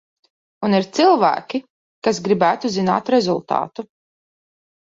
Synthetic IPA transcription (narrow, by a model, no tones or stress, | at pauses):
uniɾt̪silˠvæ̰ːkʲi | kasɡɾibæːt̪uzina̰ːt̪ɾɛzulˠt̪a̰ːt̪u